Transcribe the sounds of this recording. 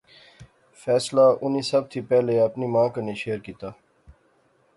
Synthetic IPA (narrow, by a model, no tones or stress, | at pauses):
fɛːslaʔʊniːsɐb̚t̪ʰipɛɦleɐpnimãːkəneʃeːɾkiːt̪aː